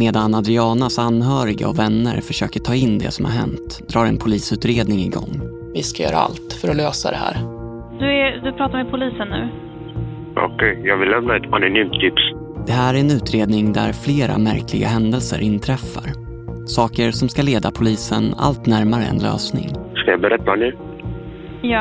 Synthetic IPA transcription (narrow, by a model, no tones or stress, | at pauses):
meːd̪anad̪ɾɪɑːnasanɦœːɾɪɡə̰ɔvɛnːə̰ɾfœʂøːkəʈʰɑːɪnːd̪ɛ̰sɔmha̰ɾɦɛ̰nt̪ | d̪ɾɑːɾɛnpʰʊliːsʉ̟ːt̪ɾeːd̪nɪŋɪɡɔ̰ŋː | vɪskajœ̰ːɾa̰a̰lt̪fœɾɔløːsa̰d̪ɛ̰hæ̰ːɾ | d̪̥ɵɛd̪ɵpʰɾɑːt̪aɾmɛpʰʊliːsənːʉ̟̰ː | ʔɔ̰kʰɛjjɑːɡvɪllːɛmnaɛt̪anɔnyːmt̪ʰːɪps | d̪̥ɛɦæːɾæɾɛnʉ̟ːt̪ɾeːd̪nɪŋd̪æɾfleːɾa̰mæɾkʰlɪɡa̰ɦɛnd̪əlsə̰ɾʔɪnt̪ʰɾɛfːaɾ | sɑːkəɾsɔmskaleːd̪apʰʊliːsəna̰lt̪næɾmaɾə̰ɛ̰nlø̰ːsnɪ̰ŋskajabɛɾɛt̪ːanʉ̟ː | jɑː